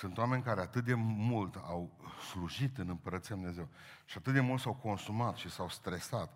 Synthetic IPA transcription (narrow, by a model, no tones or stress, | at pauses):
sɨnt̪owame̞nʲkaɾe̞at̪ɨt̪̚d̪e̞mult̪awsluʒit̪ɨnɨmpəɾət̪sijad̪umneze̞w | ʃiat̪ɨt̪̚d̪e̞mult̪sawko̞nsumat̪ʃisawst̪ɾe̞sat̪